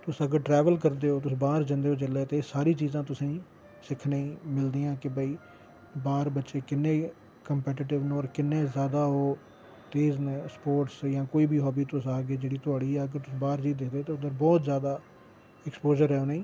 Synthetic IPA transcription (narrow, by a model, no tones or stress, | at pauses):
t̪ʊsəɡəɾʈɾɛːʋəlkəɾd̪eːɦoːt̪ʊsbaːɾd͡ʒə̃nd̪eːɦoːd͡ʒɪleːt̪eːsaːɾiːt͡ʃiːzãːt̪ʊsĩː | sɪkʰnẽːmɪld̪iːãːkɪbəiː | baːɾbətːʃeːkɪnːẽː | kəmpɛːʈɪʈɪʋnoːɾkɪnːẽːzjaːd̪aːɦoː | t̪eːznspoːɾʈsjãːkoːiːbiːɦɔːbiːt̪ʊsaːɡeːd͡ʒeːɽiːt̪ʊaːɽiːɛːəɡəɾt̪ʊsːbaːɾd͡ʒiːt̪̚d̪ɪkʰd̪eːoːt̪eːʊd̪əɾbɔːt̪zjaːd̪aː | ɛkspoːd͡ʒəɾɛːoːneĩː